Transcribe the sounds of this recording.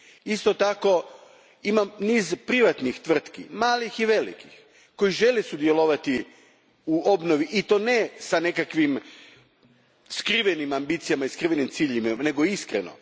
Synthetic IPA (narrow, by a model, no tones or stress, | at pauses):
ist̪ot̪ako̞ | imamniːzpɾiʋat̪nixt̪ʋr̩t̪kḭmaːlixiʋe̞lḭkix | ko̞jiʒe̞lesud̪jeloʋat̪i | uo̞bnoʋiʔit̪onesane̞kakʋim | skɾiʋenimambit̪sijamaiskɾiʋenimt̪siʎimene̞ɡoiskɾḛno̰